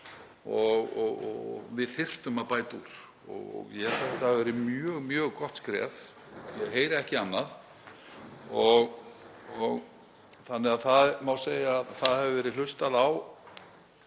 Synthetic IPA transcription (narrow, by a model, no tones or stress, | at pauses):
ɔɣɔɣɔ̰vɪðθɪr̥t̪ʏmaðpaːjt̪uɾ̥ | ɔ̰ɣɔ̰ɣjɛfɛt̪avɛːɾɪmjœːɣmjœːɣkɔht̪skɾɛ̰ːð | jɛɣɦeːjɾɪɛhcɪanːað | ɔɣ | ɔɣ | θanːɪaðθaðmawseːjaðθaðhɛvʏvɛːɾɪl̥ʏst̪aðaw